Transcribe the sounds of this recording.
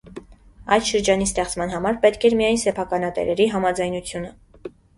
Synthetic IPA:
ɑjd̪ʃəɾd͡ʒɑnist̪ɛχt͡smɑn̪ɦɑmɑɾpɛt̪kʰɛɾmijɑjnsɛpʰɑkɑnɑt̪ɛ̰ɾɛɾiɦɑmɑd͡zɑjnut͡sʰjunə

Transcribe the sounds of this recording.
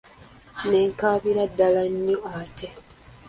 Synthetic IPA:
neːŋkaːβiɾadːalaɲːoate

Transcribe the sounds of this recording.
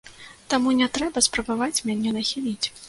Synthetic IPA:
t̪amunʲɛt̪ɾɛbɐspɾɐbavat͡sʲmʲanʲɛnɐxʲilʲit͡sʲ

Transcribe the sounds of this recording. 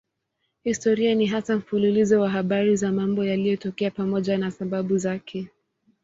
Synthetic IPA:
histɔɾianiɦasam̩fululizɔwaɦaɓaɾizamambɔjalijɔtɔkɛapamɔʄanasaɓaɓuzakʰɛ

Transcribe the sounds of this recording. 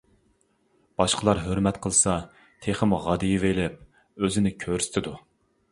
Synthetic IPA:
b̥ɑʃqəlˠɑɾɦøɾmɛt̪qʰəlˠsɑ | t̪ʰeχəmʁɑd̪ɨjivelɪp̚ | øzɪnɪkʲʰøɾsɪ̥t̪ʰɪd̪u

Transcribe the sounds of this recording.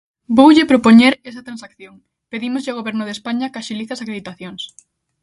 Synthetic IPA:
bowʎɪpɾopoɲeɾesɐt̪ɾansakθjoŋ | peðimozʎɪoɣ̞oβɛɾnʊðespaɲɐkaʃiliθɐsakɾeð̞it̪aθjoŋs

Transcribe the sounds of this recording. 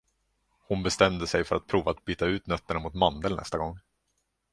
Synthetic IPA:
hʊnbɛst̪ɛmd̪əsɛjfœɾʔat̪̚pʰɾuːvaːt̪̚biːt̪aʉ̟ːt̪nœt̪ːəɳamʊt̪mand̪əlnɛ̰st̪aɡɔŋː

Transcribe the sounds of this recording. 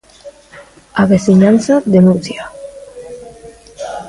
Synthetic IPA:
aβesiɲanθaðenunθja

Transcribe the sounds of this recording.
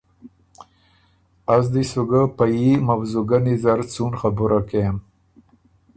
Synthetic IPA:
azd̪isuɡapajimawzuɡanizaɾt͡sunxabuɾʔakem

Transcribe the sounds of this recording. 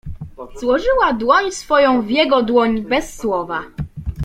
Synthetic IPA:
z̥wɔʐɘwad̪wɔɲsfɔjɔ̃w̃vʲjɛɡɔd̪wɔɲbɛsːwɔva

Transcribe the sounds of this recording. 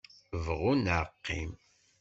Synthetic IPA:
vʁunʕəqːḭm

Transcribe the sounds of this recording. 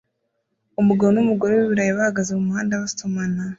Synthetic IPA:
umuɡaβonumuɡo̞ɾewiβiɾajiβahaɡazemumuhaːndaβasomana

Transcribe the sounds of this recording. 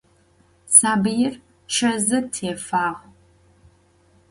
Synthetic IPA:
saːbɨjɪr | ʃɐzɐtʰeːfaːʁʷ

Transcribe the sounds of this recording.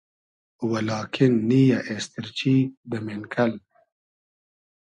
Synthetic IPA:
walɑːkʰɪnːijaʔest̪ɪɾt͡ʃid̪əmenkʰal

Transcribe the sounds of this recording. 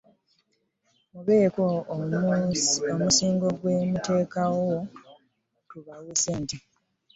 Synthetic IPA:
muβeeko | omusiːŋɡo̞ɡwemute̞ːkawo | tuβaleseːnti

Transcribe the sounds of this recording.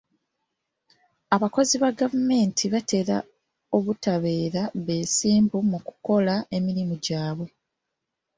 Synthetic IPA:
aβako̞ziβaɡavume̞ːntʰiβate̞ɾa̰ | o̞βutaβe̞ːɾaβe̞ːsiːmbumuku̥ko̞lae̞miɾimuɟaːβwe̞

